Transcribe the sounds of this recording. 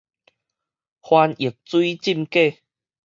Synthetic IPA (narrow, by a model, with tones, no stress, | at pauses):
hwa˧ni˨˩ək̚t͡swi˦t͡ɕi˥˧mke˥˧˨